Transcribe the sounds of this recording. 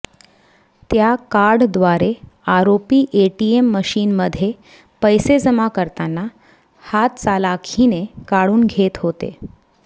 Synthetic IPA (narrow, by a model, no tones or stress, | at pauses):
t̪jakaɾɖd̪ʋaɾeaɾopiːʔeʈiemːəɕiːnməd̪ʱːje | pəjsed͡zəmakəɾt̪anːa | hat̪̚t͡salakʰinekaɽuːnɡʱet̪ɦot̪ḛ